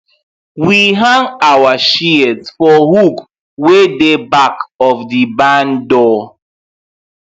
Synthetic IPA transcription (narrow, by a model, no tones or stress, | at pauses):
wiɦãŋawaʃiɛdsfɔhuk | wedebakɔfdibãndɔ